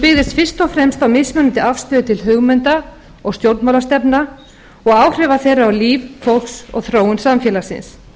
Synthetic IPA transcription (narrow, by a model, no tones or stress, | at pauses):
pɪɣðɪst̪fɪr̥st̪ɔfɾɛmst̪awmɪsmœnʏnt̪ɪafst̪œːðʏt̪ʰɪlɦʏɣmɛnt̪a | ɔɣst̪jowɾt̪mawlast̪ɛpna | ɔɣaːwr̥ɛːvaθejrːaawliːvfolksɔ̰ɣθɾoːwʏnsamfjɛlasɪ̰ns